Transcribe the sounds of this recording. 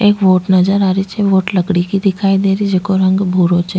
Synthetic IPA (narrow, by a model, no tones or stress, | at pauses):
eːkʋoːʈnɐd͡ʒəɾaːɾit͡ʃʰeʋoːʈlɐɡɽikid̪ɪkʰaːid̪eːɾid͡ʒekoɾə̃ŋɡbʱuːɾot͡ʃʰe